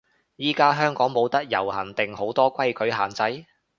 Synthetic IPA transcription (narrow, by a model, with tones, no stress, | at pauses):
jiː˥kaː˥ɦœː˥ŋkɔː˨˥ŋmo˨˧wt̪ɐ˥k̚jɐ˨˩whɐ˨˩nt̪ɪ˨ŋho˨˥wt̪ɔː˥kʷɐ˥jkʰɵ˨˥ɥɦa̰ː˨nt͡sɐ˧˥j